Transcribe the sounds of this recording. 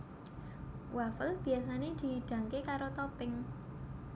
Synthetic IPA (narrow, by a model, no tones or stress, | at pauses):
wʔafəlb̥i̤asaned̪̥i̤ɦiɖ̥ä̤ŋkekaɾot̪ɔpɪŋ